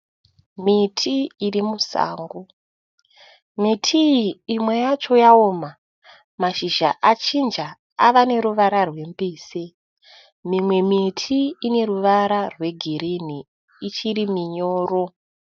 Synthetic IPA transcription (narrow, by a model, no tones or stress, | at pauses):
mitʰiːrimusa̰ːŋɡo | mitʰiiːmwe̞jat͡ʃo̞jaoːma | maʃiʒa̰ʔat͡ʃind͡ʒa | aʋane̞ɾuʋaɾarwe̞mbiːse | mimwe̞mitʰiːne̞ruʋaɾarwe̞ɡʱiɾiniː | t͡ʃiɾimiɲoːro